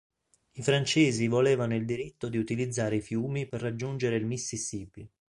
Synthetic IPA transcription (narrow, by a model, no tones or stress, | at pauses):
ifɾant͡ʃeːzivoleːvanoild̪iɾit̪ːod̪iut̪ilid̪zːaːɾeifjuːmiperːad͡ʒːund͡ʒeɾeilmisːisiːpi